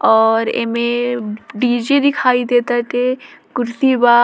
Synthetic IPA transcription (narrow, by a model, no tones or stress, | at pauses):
ɔːɾḛmẽɖiːd͡ʒed̪ikʰaːid̪eːt̪aʈ̪e | kʊɾsiba